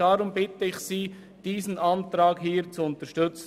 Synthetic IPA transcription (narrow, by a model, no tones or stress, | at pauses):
ɑɾʊmbɪtəɪχsiː | d̥iːsənʔɑntɾɑːɡɦiːɾt͡suʊnt̪əɾʃtɵt͡s